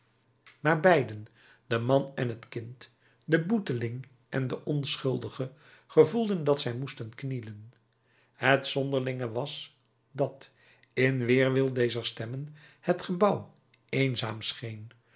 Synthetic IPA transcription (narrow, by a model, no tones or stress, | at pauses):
maːɹbɛjdən | d̥əmɑnɛnɦətkɪnt | dəbutəlɪŋ | ʔɛndəʔɔnsχɵlˠdəχə | χəvulˠdəndɑtsɛjmustənknilən | hətsɔndəɹlɪŋəʋɑs | dɑt | ɪnʋɪːɹʋɪlˠdejzəɹstɛmənhətχəbɑw | ejnza̰ːmsχejn